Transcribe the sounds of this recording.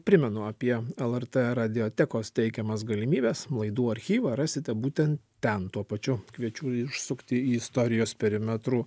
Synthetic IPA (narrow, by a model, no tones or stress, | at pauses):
pʲɾʲɪmʲɛnʊɐpʲiɛɛlˠɛɾt̪eɾɐd̪ʲɪoːt̪ʲɛkoːst̪ʲɛɪkʲɛmɐsɡɐlʲɪmʲiːbʲɛsmlˠɐɪd̪uːɐɾʲxʲiːʋɑɾɑːsʲɪt̪ʲɛbuːt̪ʲɛnt̪ | t̪ʲɛnt̪uɔpɐt͡ʃʲʊkʋʲiɛt͡ʃʲuːɪʃsʊkt̪ʲɪiːɪst̪oːɾʲɪjoːspʲɛɾʲɪmʲɛt̪ɾuː